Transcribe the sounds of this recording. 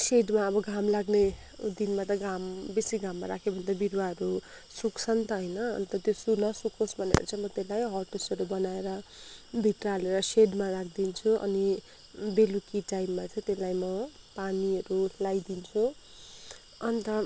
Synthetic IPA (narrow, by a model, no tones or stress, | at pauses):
seɖmaʌbʌɡʱamlaɡne | d̪inmat̪ʌɡambesiɡʱamːaɾakʰebʱʌnet̪ʌbiɾwaɦʌɾu | sukt͡sʰʌnt̪ʌɦʌjnʌ̰ːnt̪ʌt̪josunʌsukʰosbʱʌnḛʌ̰ɾut͡sʰãmʌt̪elajɦʌʈosʌɾubʌnaeɾʌbʱit̪raleɾʌseɖmarakʰd̪int͡sʰuʔʌ̰ni | belukiʈajmːat͡sʌ̃j̃t̪elajmʌ | paniɦʌɾulajd̪int͡sʰu | ʌnit̪ʌ